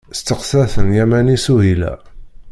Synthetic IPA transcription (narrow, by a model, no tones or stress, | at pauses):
st̪ːəqsæθənjæmænisuɦilæ̰